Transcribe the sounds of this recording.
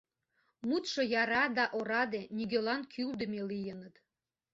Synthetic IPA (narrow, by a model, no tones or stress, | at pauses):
mut̪ʃojɑɾɑd̪ɑʔoɾɑd̪eniɡʲelɑnkʰyld̪ə̆melijənət̪